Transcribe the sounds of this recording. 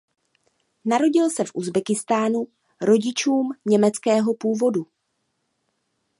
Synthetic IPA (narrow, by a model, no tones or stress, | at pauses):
naɾo̞ɟɪlsɛfʔuzbɛkɪst̪aːnu | ɾo̞ɟɪt͡ʃuːmɲɛmɛt͡skɛːɦo̞puːvo̞du